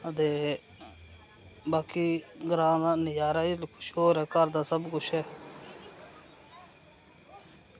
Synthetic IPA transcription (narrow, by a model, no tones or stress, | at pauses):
ət̪eː | baːkiːɡɾãːd̪aːnɪjaːɾaːɪlkʰʊ̥ʃɦoːɾɛːkəɾd̪aːsəbkʊt͡ʃʰɦɛː